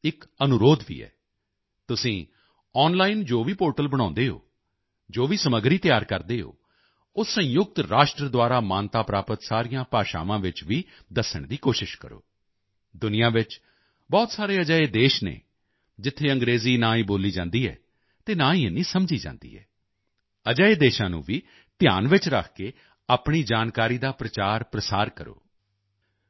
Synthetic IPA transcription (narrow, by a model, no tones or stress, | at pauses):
ɪkənʊɾoːd̪ʋḭːɛ̰ː | t̪ʊsĩː | ɔːnlaːɪnd͡ʒoːʋiːpoːɾʈəlbəɽ̃ãːnd̪eːɦo̰ː | d͡ʒoːʋiːsəməɡɾiːt̪jaːɾkəɾd̪eːɦo̰ː | ʊsə̃jʊk̚t̪ɾaːʃʈɾəd̪waːɾaːmaːnt̪aːpɾaːpət̪saːɾɪjãːpaːʃa̰ːʋãːʋɪt͡ʃʋiː | d̪əsəɳd̪iːkoːʃɪʃkəɾo̰ː | d̪ʊnɪjãːʋɪt͡ʃ | bɔːt̪saːɾeːəd͡ʒaːeːd̪eːʃnḛː | d͡ʒɪt̪ʰːeːəŋɡɾeːziːnaːĩːboːliːd͡ʒãːnd̪iːɛ̰ː | t̪eːnaːĩːnĩːsəmd͡ʒiːd͡ʒã̰ːnd̪ḭːɛ̰ː | əd͡ʒəeːd̪eːʃãːnṵ̃ːʋiː | t̪ja̰ːnʋɪt͡ʃɾəkʰkeː | aːpɳiːd͡ʒaːnkaːɾiːd̪aːpɾət͡ʃaːɾpɾəsaːɾkəɾo̰ː